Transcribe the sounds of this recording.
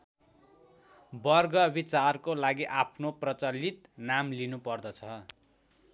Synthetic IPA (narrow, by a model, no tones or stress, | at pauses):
bʌrɡʌbit͡sarkolaɡiʔapʰnoprʌt͡sʌlit̪namlinupʌrd̪ʌt͡sʰʌ